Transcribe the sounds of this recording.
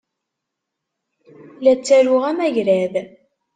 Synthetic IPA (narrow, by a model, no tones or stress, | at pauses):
læt͡sːæɾʊʁæmæʝɾæð